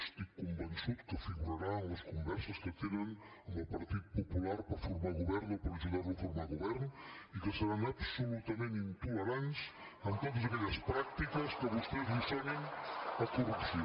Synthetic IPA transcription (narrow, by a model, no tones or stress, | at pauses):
st̪ikumbənsiðkəfiɣuɾaɾaɐskumbɛɾsɐskət̪eneŋ | opɐɾt̪iðupopulaɾpɐfuɾmalˠɣuβɛɾnupɐɾʒiɣaɾũfoɾmalɣuβɛɾnuikəsəɾanɐβsulut̪ɐmẽnint̪ulɐɾans | ɐnt̪emuzðɐkɛʎɐspɾak̚t̪ikɐskəβost̪ezβisɛɾeŋɐkurupsi